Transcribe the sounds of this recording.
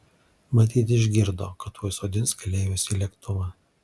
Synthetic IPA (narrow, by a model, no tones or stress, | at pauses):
mɐt̪ʲiːt̪ʲɪʒʲɡʲɪɾd̪oːkɐt̪oːjsoːd̪ʲɪnʲskɐlʲeːjoːsʲiːlʲɛkt̪ʊmɐ